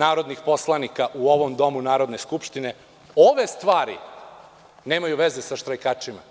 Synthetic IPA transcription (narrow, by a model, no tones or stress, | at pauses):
naːɾo̞d̪nixpo̞slˠanikaʔuo̞ʋo̞md̪o̞munaːɾo̞d̪ne̞skupʃt̪ine̞ | oʋe̞st̪ʋaːɾḭ | neːmajuʋe̞zesaʃt̪ɾajkat͡ʂima̰